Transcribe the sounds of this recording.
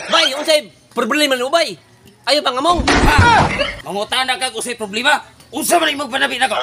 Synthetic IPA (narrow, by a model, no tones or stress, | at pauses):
baiunsai | pərbəlimanubai | ajupaŋamɔŋamaŋot̪anakakusaipɾɔblima | usamanaimopanabinaka